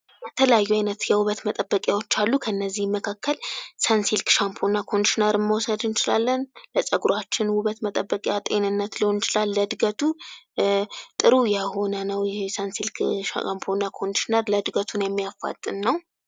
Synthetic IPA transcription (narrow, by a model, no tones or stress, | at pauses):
bət̪ʰələjajːuajnət̪jɛwʊβət̪mət̪ʼəbːəkʼjawo̞t͡ʃːalːukʰəɨnːəzːihmːəkʰakʰːəlsansilkʃampʰo̞nakʰo̞nʃnəɾɨnməwɔsəd̪ɨnt͡ʃɪlalːənləsʼəɡɾat͡ʃːɪnwʊβət̪mət̪ʼəbːəkʼjat̪ʼe̞nɨnːət̪lɨho̞nt͡ʃɪlalːəd̪ɡət̪ʰu | t̪ʼɨɾujɛho̞nənəwjɛsansilkampʰonakʰonʃnəɾləd̪ɡət̪ʰunjɛmːijafːa̰t̪ʼːɨnːəw